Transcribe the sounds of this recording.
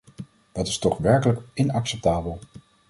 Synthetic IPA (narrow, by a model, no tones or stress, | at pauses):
dɑtɪ̥stɔχʋɛɹkələkɪnɑksɛp̚taːbəlˠ